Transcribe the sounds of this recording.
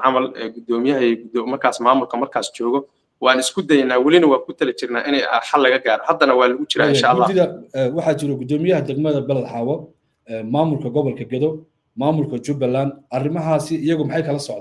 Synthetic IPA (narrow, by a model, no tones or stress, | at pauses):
ʕɑmɐlɛ̰ɡʊd̪ɔːmɪjɐɦɐɡʊd̪ɔmɐrkʰaːsmaːmʊlkʰɐmɐrkʰaːst͡ʃɔːɣɔ | wɑːnɪskʰʊd̪ɛjnaːwɐlɪnɐwɑːkʰʊt̪ʰɐlɛt͡ʃɪrnaːʔɪnɛjħɑlːɐɣɐɡaːɾɐhɐd̪ːɐnɐwɑːlɐɣʊt͡ʃɪɾaːɪjʃaʔlːaːsɪðɐwɑħɑt͡ʃɪɾɔɡʊd̪ɔːmɪjɐɦɐd̪ɛɡmɐðɐbɐlɐd̪ħɑːwɐ | ɛːmaːmʊlkʰɐɡɔβɔlkʰɐɡɐðɔ | maːmʊlkʰɐt͡ʃʊbɐlːaːnd̪ʔɐrɪmɐɦaːsɪɪjɐɣʊmɑħɑjkʰɐlɐsɔʕd̪